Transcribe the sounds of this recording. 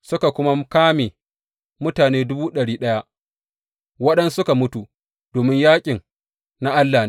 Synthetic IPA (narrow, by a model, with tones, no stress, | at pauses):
sʊ˦ka˨kʷʊ˦ma˦kaː˦me˨ | mʊ˦taː˨neː˦dʊ˦buː˦ɗɐ˨ɽiː˦ɗɐ˦ja˦ʔ | wɐ˦ɗɐ˦nsʊ˦ka˨mʊ˦tu˨ | d̥oː˨mɪ˦ɲjaː˦kʲʼɪ˨ŋ | na˦ʔa˦lːaː˨n